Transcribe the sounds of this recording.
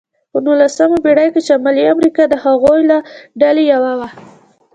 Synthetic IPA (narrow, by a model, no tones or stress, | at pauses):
pənulasəmabeɽajket͡ʃamaliamɾikɑd̪əhaɣojlaɖalejawawa